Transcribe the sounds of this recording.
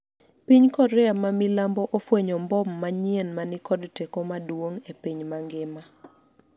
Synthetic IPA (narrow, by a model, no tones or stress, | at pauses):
piɲkɔɾɛamamilambɔʔofweɲɔmbɔmːaɲienmanɪkɔdtekɔmadwoŋepiɲmaŋɡɪma